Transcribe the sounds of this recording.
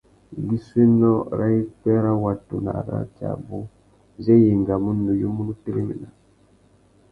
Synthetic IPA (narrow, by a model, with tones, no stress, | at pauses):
ji˦swe˦nɔ˦ɾa˦i˦kɛ˦ɾa˦wa˨tu˨na̰˨ɾa̰˦t͡ʃa̰˨bu˦ | ze˦je˨ŋɡa˨mu˦nu˨jo˦mu˦nu˦te˦ɾe˦mḭ˨na˨